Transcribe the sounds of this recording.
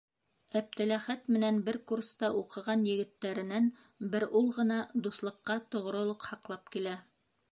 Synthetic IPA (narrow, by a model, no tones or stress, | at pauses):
æp̚t̪ælæχæt̪mɘ̆nænbɘɾkurst̪ɑʔuqɤ̆ʁɑnjɘ̆ɡɘ̆t̪ːæɾɘ̆næn | bɘɾulˠʁɤ̆nɑd̪uθlˠɤ̆qːɑt̪ŏʁɾɤ̆lˠɤqhɑqlˠɑp̚kilæ